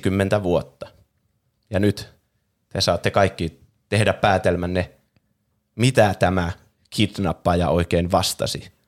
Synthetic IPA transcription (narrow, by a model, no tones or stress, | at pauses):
kymːent̪æʋuot̪ːɑ̥ | jɑnyt̪ | t̪esɑːt̪ːekɑikːi | t̪ehdæppæːt̪elmænːe | mit̪æt̪æmæ | kʰit̪nɑpːɑjɑoikeinʋɑst̪ɑ̰si